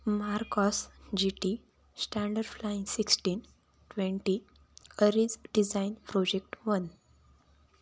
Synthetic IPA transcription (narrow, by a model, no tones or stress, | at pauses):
maɾkɔsd͡ʑiʈi | sʈæ̃ɳɖəɾɖflaĩnsiksʈiːn | ʈʋẽɳʈi | əɾid͡zɖid͡zainpɾɔd͡ʑek̚ʈʋən